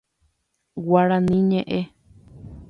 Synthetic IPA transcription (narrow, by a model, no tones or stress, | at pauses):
waɾanĩɲẽʔe